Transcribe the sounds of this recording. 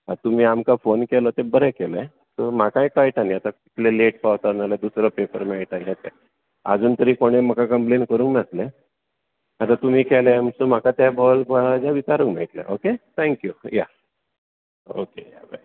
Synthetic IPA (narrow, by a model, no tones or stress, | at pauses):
at̪um̤iːamkafonkelɔt̪ebəɾɛkele | t̪əm̤akãikajʈaniat̪akit̪leleʈ̚paʋt̪aɾnaled̪usɾɔpepəɾmaʈaiɦet̪e | ə̰d͡zuːnt̪əɾiːkoɽ̃em̤əkakəmplenkəɾũːŋknasle | at̪at̪um̤iːkʰɛlemsom̤akat̪abɔlbʱad͡zaʋit͡ɕaɾuŋkm̤ḛit̪la̰ʔoket̪ʰɛ̃ŋkjuja̰ | o̰kejabḛ